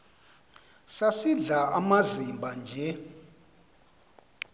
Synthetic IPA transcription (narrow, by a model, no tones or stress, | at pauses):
sasiɮaʔamazimbʱand͡ʒʱɛ